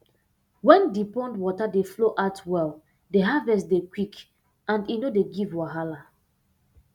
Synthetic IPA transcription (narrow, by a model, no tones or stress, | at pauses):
wɛ̃ndipɔ̃ndwɔtadefloʔatwɛl | deɦavɛstdekwik | ãndinodeɡivwaɦala